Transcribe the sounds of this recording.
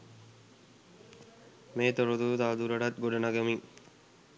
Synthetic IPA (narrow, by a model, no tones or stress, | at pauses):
meːt̪oɾod̪ut̪aʋd̪uɾɐɖat̪̚ɡoɖɐnaɡɐmi